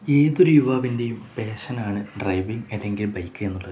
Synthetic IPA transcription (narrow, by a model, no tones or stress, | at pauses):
e̞ːðo̞ɾujuʋaːʋinde̞jumpe̞ːɕɐnaːɳɨɖrɐjʋiŋelːe̞ŋɡilbɐjkːɨe̞nːuɭːɐðɨ